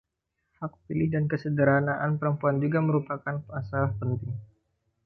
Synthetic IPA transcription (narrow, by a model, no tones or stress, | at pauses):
hak̚pilɪhdankəsədəɾanaʔanpəɾəmpuand͡ʒuɡaməɾupakanasapənt̪ɪŋ